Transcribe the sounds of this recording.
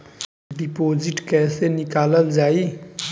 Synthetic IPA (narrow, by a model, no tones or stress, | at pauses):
ɖipoːziʈkɛːsenikaːləlzaːi